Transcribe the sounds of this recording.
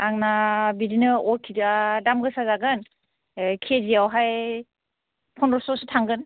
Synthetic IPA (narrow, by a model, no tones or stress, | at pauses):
aŋnabidinɯɔɾkʰidadamɡɯsazaɡɯn | kʰezijawɦaj | pʰɔndɔsɔsɯtʰaŋɡɯn